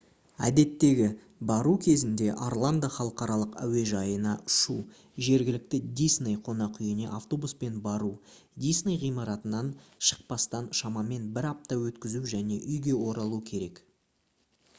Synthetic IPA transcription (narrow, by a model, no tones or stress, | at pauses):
æ̰d̪e̞t̪ːe̞ɡʲɪ | bɑɾukʲʰe̞zɪnd̪e̞ʔarlˠand̪əχɑlˠəqɑɾɑlˠəqæ̰we̞ʒɑjənɑʊ̥ʃu | ʒe̞ɾɡʲɪlɪk̚t̪ɪd̪isnejqʰo̞nɑqʏjɪne̞̰ʔaft̪o̞buspe̞nbɑɾu | d̪isnejʁijmɑɾɑt̪ənɑnʃə̥q̚pɑst̪ɑnʃɑmɑme̞nbɪɾɑp̚t̪ɑwɵt̪kʲɪzuwʒæne̞ʔʏjɡʲe̞wo̞ɾɑlˠukʲʰe̞ɾe̞k